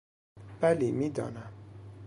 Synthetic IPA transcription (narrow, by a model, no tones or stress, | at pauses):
b̥ælimid̪ɔ̰ːnæm